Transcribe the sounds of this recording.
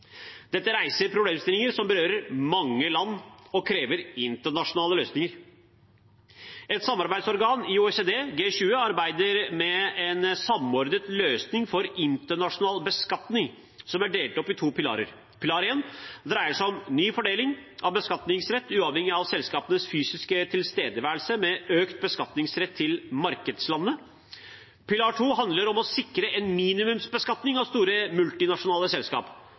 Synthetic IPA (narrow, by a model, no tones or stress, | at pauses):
d̪̥ɛt̪ːəɾæɪsəɾpʰɾʊbleːmst̪ɪlɪŋəɾsɔmbəɾøːɾəɾmɑŋːəlɑnːɔkʰɾeːʋəɾɪnt̪əɳɑʂʊnɑːləløːsnɪŋəɾ | ʔɛt̪sɑmːɑɾbæɪsɔɾɡɑːnɪuɛseːd̪eːɡeːɕʉːəɑɾbæɪd̪əɾmɛɛnsɑmɔɾd̪ət̪løːsnɪŋfɔɾɪnt̪əɳɑʂʊnɑːlbəskɑt̪nɪŋ | sɔmæɖeːlt̪ɔpːɪt̪ʰuːpʰɪlɑ̰ːɾə̰ɾ | pʰɪlɑːɾeːnd̪ɾæɪəʂæɪɔmnyːfɔɖeːlɪŋʔɑʋbəskɑt̪nɪŋsɾɛt̪ːʉːɑːʋhɛŋːɪɑʋsɛlskɑːpənəsfyːsɪskət̪ʰɪlst̪eːd̪əʋæːəl̩səmɛøːkt̪̚bəskɑt̪nɪŋsɾɛt̪ʰːɪlmɑɾkəd̪slɑnːə | pʰɪlɑːʈʰuːɦɑnd̪ləɾɔmɔsɪkɾəʔɛnmiːnɪmʉmsbəskɑt̪nɪŋɑʋst̪uːɾəmʉlt̪ɪnɑʂʊnɑːləsɛlskɑ̰ːp